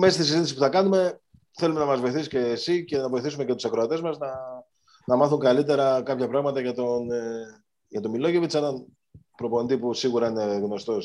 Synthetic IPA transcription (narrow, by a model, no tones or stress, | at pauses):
meɐst̪isizit̪isi̥puθɐkɐnume̞ | θe̞lume̞nɐmɐzvo̞jiθisice̞ːsice̞nɐvo̞jθisume̞cet̪usɐkɾo̞ɐt̪e̞zmɐznɐ | nɐmɐθuŋɡɐlit̪̬e̞ɾɐkɐpçɐpɾɐɣmɐt̪ɐʝɐt̪on | ʝɐt̪o̞milo̞ʝevit͡senɐn | pɾo̞po̞nd̪ipusiɣuɾɐine̞ðinost̪o̞s